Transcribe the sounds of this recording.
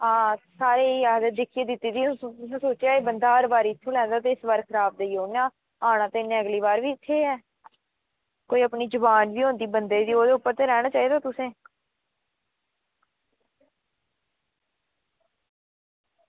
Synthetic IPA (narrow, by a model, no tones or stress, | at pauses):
ãːsaːɾeːiaːd̪əd̪ɪkʰieːd̪ɪt̪ːiːd̪ĩːt̪ʊsãːsoːt͡ʃjaːeːbənd̪aːɾbaːɾiːɪt̪ʰːõːlɛ̃ːnd̪aːt̪eːɪsʋəɾkʰɾaːp̚ʰd̪eiːoːnãː | aːɽ̃ãːt̪eːɪnːẽːəɡliːβaːɾʋiːɪt̪ʰːeːɛː | koːiːəpniːd͡ʒʊbaːnbiːõːnd̪iːbənd̪eːd̪iːoːd̪eːʊpːəɾt̪eːɾɛːɽ̃ãːt͡ʃaːiːd̪aːt̪ʊsẽː